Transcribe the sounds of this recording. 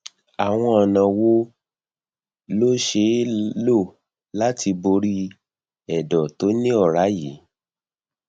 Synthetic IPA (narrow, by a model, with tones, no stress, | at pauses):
a˨w̃ɔ̃˧ɔ˨nã˨wo˦ | lo˦ʃe˧˦lo˦˨ | la˦ti˧bo˧ɾi˦ | ɛ˨dɔ˨to˨˦nĩ˦ɔ˦˨ɾa˨˦ji˨˦